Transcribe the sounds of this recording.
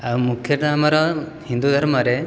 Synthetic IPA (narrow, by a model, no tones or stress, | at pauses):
awmukʰjɔʈaamaɾɔ | hind̪ud̪ʱɔɾɔmaɾe